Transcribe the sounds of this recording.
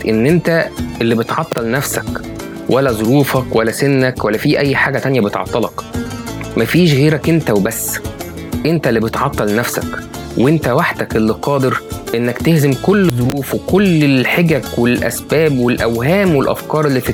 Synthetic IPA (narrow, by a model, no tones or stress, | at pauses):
ʔenːʔent̪æʔelːibet̪ʕɑt̪ˤːɑlnæfsæk | wælːæzˤoɾuːfɑkwælːæsenːækwælːæfiːʔæjːħaːɡæt̪ænjæbet̪ʕɑ̰t̪ˤːɑlɑk | mæfiːʃɣeːɾækʔent̪æwebæsː | ʔent̪ælːibet̪ʕɑt̪ˤːɑlnæfsæk | wʔent̪æwaħd̪ækʔelːiqɑːd̪eɾʔenːækt̪ehzemkolːzˤoɾuːfwekolːelħeɡækwelʔæ̰sbæːbwelʔæ̰wɦæːmwelʔæ̰fkɑːɾˤelːit̪